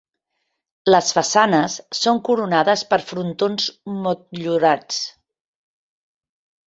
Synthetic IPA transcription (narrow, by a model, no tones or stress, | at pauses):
ləsfəsanəsːoŋkuɾunaðəspəɾfɾunt̪onzmut̪̚ʎuɾat͡s